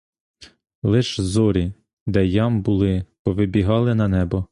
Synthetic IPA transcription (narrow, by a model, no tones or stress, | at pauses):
lˠɪʃzɔɾʲi | d̪ɛjɑmbʊlˠɪpɔʋɪbʲiɦɑlˠɪnɐnɛbɔ